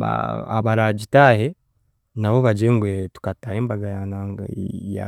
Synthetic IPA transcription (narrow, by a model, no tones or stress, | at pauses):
a̰a̰βaɾaɟitaːhe̞ | naβo̞βaɟeŋɡwetu̥kataheːmbaɡajanaŋɡaja̰